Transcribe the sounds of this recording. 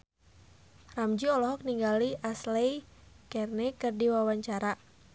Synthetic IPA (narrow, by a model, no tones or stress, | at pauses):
ramd͡ʒiɔlɔɦɔk̚niŋɡaliaslɛjkɛrnɛkɨrdiwawaɲt͡ʃaɾa